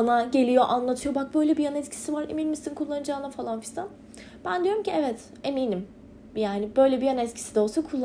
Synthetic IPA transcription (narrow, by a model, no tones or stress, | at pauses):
anaɟe̞lʲijo̞ʔanlˠat̪ʰɯjo̞bak̚bø̞jlʲɛbijanɛt̪cʰi̥sivaɾḛmilʲmisinkʰulˠːanɯd͡ʒaːnafalˠanfi̥san | b̥ænd̪ijo̞ɾumcʰiɛvɛt̪ | e̞miːnim | jaːnibø̞jlʲɛbijanɛt̪cʰi̥sid̪ɛolˠsakʰulˠː